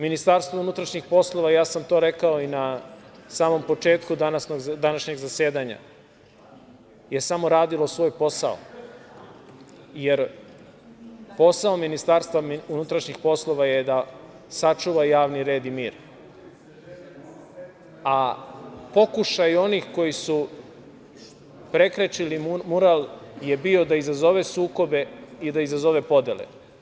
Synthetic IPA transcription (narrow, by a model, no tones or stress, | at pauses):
minist̪aɾst̪ʋounut̪ɾaʃɲixpo̞slˠo̞ʋajaːsamt̪o̞ːɾe̞kao̞inasaːmo̞mpo̞t͡ʃe̞ːt̪kud̪anasnoɡd̪anaʃɲeɡzase̞ːd̪aɲa̰ | je̞samo̞ɾaːd̪ilo̞sʋo̞ːjpo̞sa̰o̰ | jeɾ | po̞saominist̪aːɾst̪ʋamiunut̪ɾaʃɲixpo̞slˠo̞ʋajed̪a | sat͡ʃuʋajaːʋniɾe̞ːd̪imiːɾ | a | po̞kuʃajo̞niːxko̞jisu | pɾe̞kɾet͡ʃilimmuɾalje̞bio̞d̪aizazo̞ʋe̞suːko̞be̞id̪aizazo̞ʋe̞po̞d̪jḛlḛ